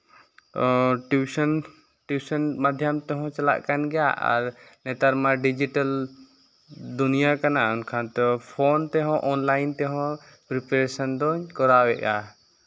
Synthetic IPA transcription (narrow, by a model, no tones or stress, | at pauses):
ʈusɔn | ʈuisɔnmad̪ʱjamt̪ɛɦɔ̃t͡ʃala̰ʔkanɡɛja̰ʔa̰ɾnɛt̪aɾmaɖid͡ʒiʈal | d̪unijakanaunkʰant̪ɔpʰɔnt̪ɛɦɔ̃ʔɔnlajnt̪ɛɦɔ̃ | pɾipɛɾesɔnd̪ɔɲkɔɾawɛʔɡa